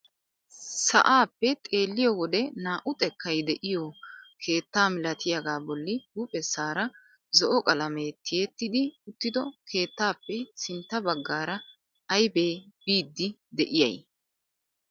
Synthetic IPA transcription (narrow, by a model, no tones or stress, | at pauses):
sɐ̰ʔaːpːɛt̪ʼe̞ːlːɪjɔwɔd̪ɛnaːʔʊt̪ʼɛkːɐjd̪ɛʔɪjɔkʰe̞ːt̪ːaːmɪlɐt̪ʰɪjɐɡaːbɔlːɪbuːpʼɛsaːɾɐ | zɔʔɔkʼɐlɐmeːt̪ʰɪjɛt̪ːɪd̪ɪʊt̪ːɪd̪ɔkʰe̞ːt̪ːaːpːɛsɪnt̪ːɐbɐɡːaːɾɐ | ɐjbeːbiːd̪ːɪd̪ɛʔɪjɐ̰j